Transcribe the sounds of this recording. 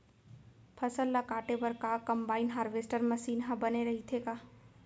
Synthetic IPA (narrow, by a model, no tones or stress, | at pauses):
pʰɐsəlːakaːʈebɐɾkakɐmbaːinɦaːɾʋeːsʈəɾmɐʃiːnɦãbɐneɾɐɦit̪ʰekaː